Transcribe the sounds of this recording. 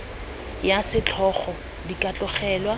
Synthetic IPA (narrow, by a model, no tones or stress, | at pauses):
jasɪt͡ɬʰɔχɔ | dikʼat͡ɬʼʊχɛːlwa